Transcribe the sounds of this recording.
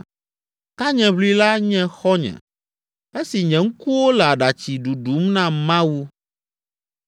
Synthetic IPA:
t̪a˦ɲɛ̃˨βli˦la˦ɲɛ̃˦xɔ˦ɲɛ̰̃˨ | e˦si˨ɲɛ̃˨ŋ̩˦ku˦wo˦lɛ˨a˨ɖa˨t͡ɕi˨ɖu˨ɖu˨˦mnã˦mã˦wu˦

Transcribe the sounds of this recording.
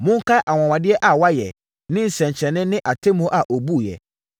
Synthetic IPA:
mʊ̃˦ŋ̩˦kʰa˦ʔa˨w̃ã˨wã˨dɪ˦ɛ˦ʔa˨wa˦jɛ̰˨ | nɪ̃˦n̩˨sɛ̃˨ɲt͡ɕʰɛ̃˨nːɪ̃˦nɪ̃˦ʔa˨tʰe˦mõ˦ʔa˨ʔo˨bu˦˨jɛ̰˨

